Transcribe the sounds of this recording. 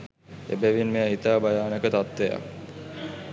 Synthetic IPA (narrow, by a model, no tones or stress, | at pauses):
ḛbæʋinmeaɦit̪aːbajaːnəkət̪at̪ʋeja̰k